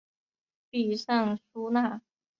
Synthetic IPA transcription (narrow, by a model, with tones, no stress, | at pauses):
pi˨˩ʂa˥˩ŋʂu˥na˥˩